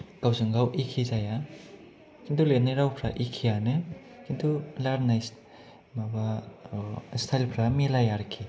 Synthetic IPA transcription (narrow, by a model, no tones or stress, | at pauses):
ɡ̥awzɯŋɡawʔikʰizaja | kʰintʰuletnaɾawpʰɾaʔikʰijanɯ | kʰintʰulaɾnajs | maba | stʰajlpʰɾamelajaɾkʰi